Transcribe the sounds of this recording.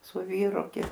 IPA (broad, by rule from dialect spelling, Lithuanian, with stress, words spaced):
sʊ ˈʋʲiːrʊ ɡʲɪ